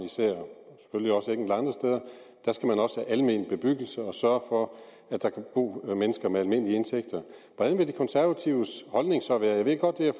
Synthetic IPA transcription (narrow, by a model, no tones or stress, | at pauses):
nisæɐ̰se̥følliɒ̽səeɡ̥n̩d̥lɑ̈nd̥ʁɐsd̥eð̞ˠɐ | d̥æɐsɡ̥æmænɒ̽səhæʔælme̝nb̥e̝b̥yɡ̥əl̩səɒ̽sɶɐfɒ̽ | æd̥ɑ̈kʰæb̥ṵːmenəsɡ̥ɐmeælme̝n̰əliəe̝nsʰeɡ̥d̥ɐʋɒd̥ænʋe̝d̥ekʰɒnsæɐʋæt͡sʰiʊəshɒ̽lne̝ŋsɒ̽ʋæːɐjaʋeɡ̥ɒ̽d̥̚ːeæ